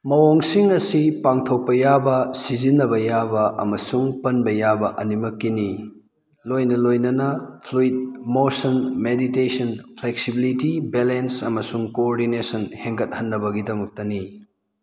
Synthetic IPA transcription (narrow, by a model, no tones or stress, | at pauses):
mɐwoŋsiŋɐsipaŋtʰɐwpɐjabɐsizinːɐbɐjabɐʔɐmɐsuŋpɐnbɐjabɐʔɐnimɐkːini | lojnɐlojnɐnɐpʰluit̚mosɐnmeditesɐnpʰlek̚sibilitibelensɐmɐsuŋkoːɾdinesɐnheŋɡɐt̚hɐnːɐbɐɡidɐmɐk̚tɐni